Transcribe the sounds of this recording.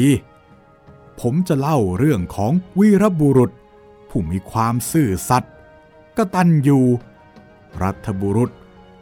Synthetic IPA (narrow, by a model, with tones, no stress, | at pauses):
pʰo˩˦mt͡ɕa˨˩la˥˩wɾɯ˥˩əŋkʰɔː˩˦ŋwi˦˥ɾa˦˥bu˧ɾu˨˩t̪̚ | pʰuː˥˩miː˧kʰwaː˧msɯː˧˩sa˨˩t̪̚ | ka˧t̪a˧njuː˧ | ɾa˦˥t̪ʰːa˧bu˧ɾu˨˧˩t̪̚